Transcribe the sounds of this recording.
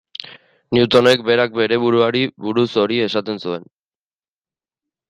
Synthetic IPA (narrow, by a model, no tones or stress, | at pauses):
niut̪o̞ne̞k̚be̞ɾak̚be̞ɾe̞βuɾuaɾiβuɾuso̞ɾie̞sat̪e̞nsue̞n